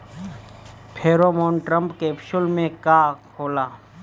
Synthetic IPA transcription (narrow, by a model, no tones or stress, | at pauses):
pʰeːɾoːmoːnʈɾə̃mpkeːpʃʊlmẽkaːkʰoːlaː